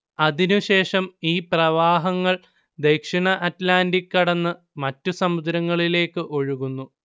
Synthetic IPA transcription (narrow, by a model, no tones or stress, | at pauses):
ɐðinuɕe̞ːʂɐmiːprɐʋaːɦɐŋːɐɭ | d̪e̞jkʂiɳɐʔɐtlaːndikːɐɽɐnːɨ | mɐtːusɐmud̪ɾɐŋːɐɭile̞ːkːɨʔo̞ɻuɣunːu